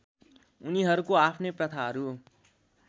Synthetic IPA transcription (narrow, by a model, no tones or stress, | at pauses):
ʊniɦʌɾukoaːpʰnepɾʌt̪ʰaɦɾu